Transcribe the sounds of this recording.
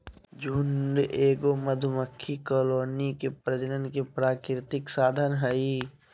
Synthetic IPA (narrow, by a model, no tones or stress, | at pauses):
d͡ʒʱunɖeːɡoməd̪ʱʊməkʰːikoloːnikepɾəd͡ʒənənkepɾaːkɾɪt̪ɪksaːd̪ʱənɦəi